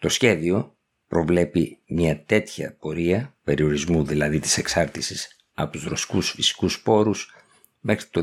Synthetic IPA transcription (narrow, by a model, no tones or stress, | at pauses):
t̪o̞sçe̞ðio̞ | pɾo̞vle̞pimɲɐt̪e̞t̪çɐ̰po̞ɾiɐpe̞ɾio̞ɾizmuðilɐðit̪i̥se̞ksɐɾt̪isis | ɐ̰pot̪uzɾo̞si̥kusfisi̥kuspo̞ɾus | mexɾi̥t̪o